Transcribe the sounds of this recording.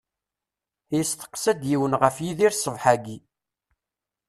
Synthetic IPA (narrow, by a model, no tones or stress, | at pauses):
jəst̪ə̥qːsæd̪jiwənʁəfjiðiɾsəvħaɡi